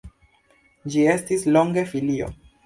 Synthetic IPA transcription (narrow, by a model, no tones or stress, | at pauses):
d͡ʒie̞stislo̞ŋɡe̞filio̞̰